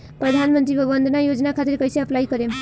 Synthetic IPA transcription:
pɾəd̪ʱanmənt̪ɾibəbənd̪ʱənajod͡ʒnakʰat̪iɾkʌjseəplaikʌɾem

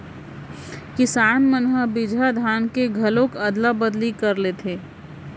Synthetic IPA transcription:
kɪsaːnmənɦəbɪd͡ʒʱad̪ʱaːnkeɡʱɐlõkɐd̪labɐd̪likɐɾleːt̪ʰeː

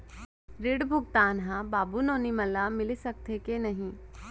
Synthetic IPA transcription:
ɾɪɽbʱʊɡt̪aːnɦãbaːbunoːnimɐlːamɪlisɐk̚t̪ʰekenɐɦĩː

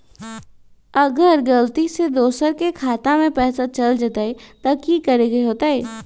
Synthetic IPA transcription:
ɐɡəɾɡɐlt̪ised̪oːsəɾkekʰaːt̪amẽpɛːsat͡ʃɐld͡ʒat̪aɦet̪akikɐɾeɡɐeɦoːt̪aɦɛː

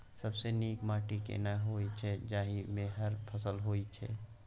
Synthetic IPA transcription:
səbseniːkmaːʈikḛnaɦoːit͡ʃʰɛd͡ʒaːɦimeɦəɾpʰəsəlɦoːit͡ʃʰɛ̰

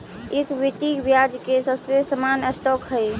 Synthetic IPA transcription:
ekbit̪ibjad͡ʒkesəbsesəmanəsʈɔkɦəj

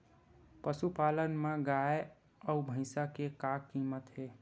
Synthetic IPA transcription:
pəsupalənmeɡae | əubʱə̃ɪsakekakːimət̪ɦe

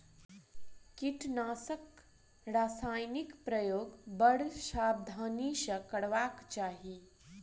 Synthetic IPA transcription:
kiʈnaːsək | ɾaːsaːjnikpɾəjoːɡbəɽʃaːb̚d̪ʱaːniʃəkɐɽʋaːkt͡ʃaːɦi

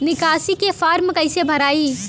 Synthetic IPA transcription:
nɪkaːsikefaːɾmkɐɪsebʱɐɾaːiː

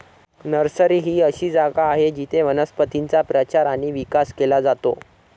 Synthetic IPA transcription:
nəɾsəɾiːɦiːəɕiːd͡zaɡaːɦed͡ʑit̪ʰeʋənəspət̪int͡sapɾət͡ɕaɾaɽ̃iːʋikaskelad͡zat̪o̰

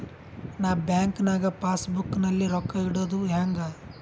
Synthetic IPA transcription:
naːbjaːŋknaːɡɐpaːsbukːnɐlːiɾɔkːɐiɽoːd̪uɦaːŋɡa

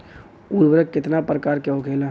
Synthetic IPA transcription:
ud̪bəɾəkkːɪt̪napɾəkaːɾkeɦokʰeːla

